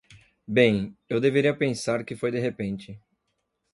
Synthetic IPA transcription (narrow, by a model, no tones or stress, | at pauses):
bẽj̃ewd̪eveɾiɐpẽsaɾkɪfojd̪eɦepẽnt͡ʃɪ